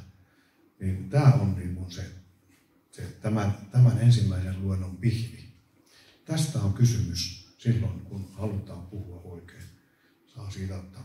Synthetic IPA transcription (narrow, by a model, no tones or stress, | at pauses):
niːnt̪æːonniːŋkunse | set̪æmænt̪æmænensimːæiselluenːompihli | t̪æst̪æoŋkysymyssilːoinkunhɑlut̪ɑːmpuhuɑoˑikeːn | sɑːsiːt̪æot̪ːɑ